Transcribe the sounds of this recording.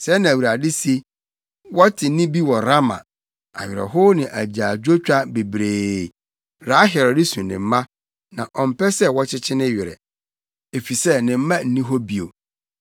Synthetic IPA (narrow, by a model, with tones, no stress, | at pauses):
sɛ˦nã˨wu˨ɾa˨dɪ˦si˦ | wɔ˦tʰɪ˨˦nɪ̃˦bi˦wɔ˨ɾa˦mã̰˨ | a̰˨ɥᶣɪ˨ɾɛ̰˨ɦo˦nɪ̃˨ʔæ˨d͡ʑaː˨d͡ʑᶣo˦t͡ɕᶣa˦be˨bɾeː˨ | ɾa˨˦ɦɛ˨ɾɔ˨dɪ˦sũ˨nɪ̰̃˨m̩˦mã˦ | nã˨ʔɔ˨m̩˨pɛ˦sɛ˦wɔ˦t͡ɕʰɪ˦t͡ɕʰɪ˦nɪ̃˦ɥɪ˨ɾɛ̰˨ | e˨fi˨sɛ˦nɪ̃˨m̩˦mã˦n̩˦nĩ˦ɦɔ˦bi˨o̰˨